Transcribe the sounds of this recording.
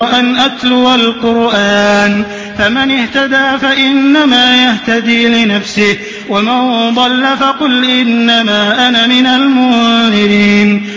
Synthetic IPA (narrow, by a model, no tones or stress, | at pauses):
ʔanʔat̪lʊwalqʊɾʔaːn | famanɪht̪ad̪aːfaʔɪnːamaːjaht̪ad̪iːlɪnafsɪh | wamand̪ˤɑlːafɑqʊlʔɪnːamaːʔanamɪnalmʊmɪɾiːn